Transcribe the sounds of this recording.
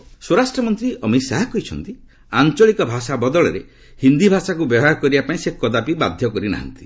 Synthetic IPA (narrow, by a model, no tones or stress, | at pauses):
swoɾasʈɾɔmɔnt̪ɾiɔmisaɦakɔit͡ʃʰɔnt̪i | ant͡ʃɔɭikɔbʱasabɔd̪ɔɭɔɾe | hind̪ibʱasakubjɔɦaɔkɔɾibapaĩsekːɔd̪apiba̰d̪ʱjɔkɔɾina̰ɦa̰nt̪i̥